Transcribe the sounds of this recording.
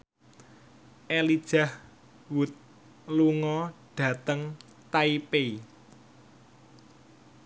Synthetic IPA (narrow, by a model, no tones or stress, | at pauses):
ʔelid̥ʒ̥a̤h | wut̪̚ | luŋɔɖ̥ä̤t̪əŋ | t̪aipei